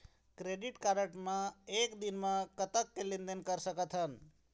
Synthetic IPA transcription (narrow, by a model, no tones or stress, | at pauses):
kɾeɖiʈkaɾəʈmaekd̪inmakət̪əkːelind̪ənkəɾsəkət̪ʰɦən